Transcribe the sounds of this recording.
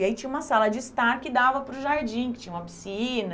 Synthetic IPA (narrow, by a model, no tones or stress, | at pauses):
ait͡ʃĩɲ̃ũmɐsalɐd͡ʒɪst̪aɾkɪd̪avɐpɾʊʒaɾd͡ʒĩkɪ̥t͡ʃĩɲɐũmɐpi̥sĩnɐ